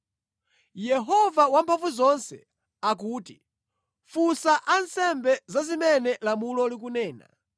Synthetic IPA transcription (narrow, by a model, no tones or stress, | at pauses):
jɛɦɔvawampʰaɱvuzɔnsɛ | ak̬uːti | fusaʔansɛmbɛzazimɛnɛlamulɔlik̬unɛːna̰